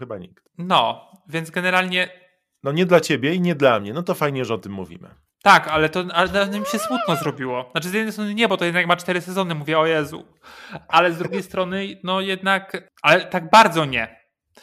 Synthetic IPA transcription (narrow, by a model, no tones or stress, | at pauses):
xɘba̰ɲikt̪nɔvʲjɛnd̪zɡɛnɛɾalɲɛ | nɔɲɛd̪lat͡ɕebʲjɛiɲɛd̪lamɲɛnɔt̪ɔfajɲɛʐɛɔt̪ɘmːṵvʲḭmɘ̰ | t̪akalɛt̪ɔad̪anɛmʲiɕɛsmut̪nɔzɾɔbʲiwɔnat͡ʂɘzʲjɛd̪nɛjst̪ɾɔnɘɲɛbɔt̪ɔjɛd̪nakmat͡ʂt̪ɛɾɘsɛzɔnɘmuvʲjɛɔjɛzṵ | alɛzd̪ɾuɡʲejst̪ɾɔnɘnɔjɛd̪nak | alɛt̪aɡbaɾd̪zɔɲɛ